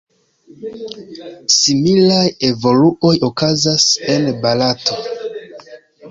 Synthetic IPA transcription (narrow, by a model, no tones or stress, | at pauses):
similaje̞vo̞luʔo̞jokazase̞nbalato̞